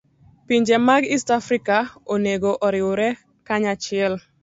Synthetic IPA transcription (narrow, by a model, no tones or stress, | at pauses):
piɲd͡ʒɛmaɡistafɾikaoneɡoʔɔɾɪʊɾɛ | kaɲat͡ʃɪɛl